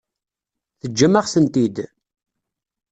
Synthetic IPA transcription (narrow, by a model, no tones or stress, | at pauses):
θəd͡ʒːəmːəʁθənt̪id̪